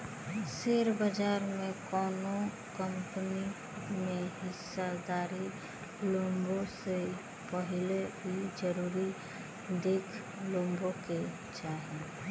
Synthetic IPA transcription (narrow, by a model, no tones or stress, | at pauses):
seːɾbəd͡ʒaːɾmẽkɔːno | kəmpəni | mẽɦɪsad̪aːɾi | lõːmbose | pəɦɪleɦid͡ʒəɾuːɾi | d̪eːkʰ | lõːmboke | t͡ʃaːɦẽ